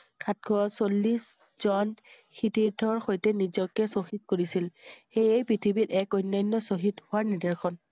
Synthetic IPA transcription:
kʰat̚ɡʰɔsolːis | z̥ɔn | xʰitiɹdʰʱɔɹxojtɛnizɔkːɛsoxit̚koɹisilxejejpɹitʰibitɛkɔjnːɔjnːɔsoɦithʊaɹnidɛɹkʰɔn

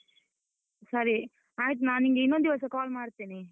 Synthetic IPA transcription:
sɐɾi | aːɦit̪̬unaːniŋɡeinːond̪iʋɐsɐkaːlmaːɽt̪iːni

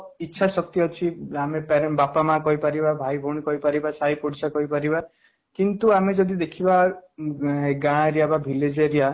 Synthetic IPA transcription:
itːʃʰasɔk̚t̪iɔt͡ʃʰiamepeɾbapamãkɔɦipaɾibabʱajbʱoɳ̃ikɔɦipaɾibasaɦipoɽisakɔɦipaɾiba | kint̪uamed͡ʒɔd̪id̪ekʰiba | ɡãɾijababʱiled͡ʒeɾia

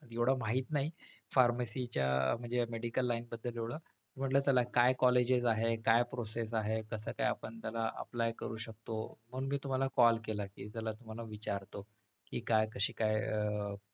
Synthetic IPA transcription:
ewɽ̤amaɦiːt̪naɦi | faɾmasit͡ɕja̰m̤əɳd͡zemeɽikəlːainbəd̪ʱːəljewɽ̤a | əɾm̤əʈləːt̪jalakajkɔled͡ʑed͡zaɦekajpɾoses̬aɦekəsəːka̰japəɳt̪alaʔə̰plajkəɾuːɕək̚t̪om̤ənmiːt̪um̤alakɔlkelakiːt̪alat̪um̤alaʋit͡ɕaɾt̪o | kiːkajkəɕiːkajə

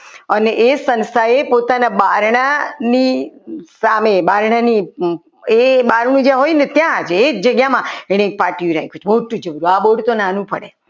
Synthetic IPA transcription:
əneʔesənst̪ʰaepot̪anabaɾɳanisamebaɾɳ̃ani | ebaɾɳ̃ũd͡ʒjãɦojnet̪jãd͡ʒeːd͡ʒəɡjamãeɽ̃ek̚paʈijũɾa̰jkʰut͡ʃʰmoʈũd͡ʒəbɾuaɓoɽt̪onanũpəɽe

